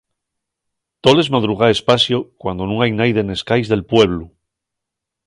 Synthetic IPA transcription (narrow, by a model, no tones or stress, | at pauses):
t̪o̞le̞zmað̞ɾuɣ̞aespasjokwand̪o̞nũŋajnajðene̞skajzðe̞lpwe̞β̞lu